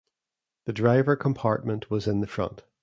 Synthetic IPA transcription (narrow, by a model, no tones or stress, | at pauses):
ðədɹaɪvə˞kʰə̃mpʰaɹʔ̚mə̃nʔwʌzɪ̃nðəfɹʌ̰̃nʔ